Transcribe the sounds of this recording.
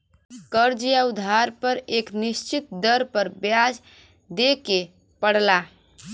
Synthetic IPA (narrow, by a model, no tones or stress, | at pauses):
kəɾd͡ʒijaud̪ʱaɾpəɾeknist͡ʃit̪̚d̪əɾpəɾbjad͡ʒ | d̪eke | pəɽla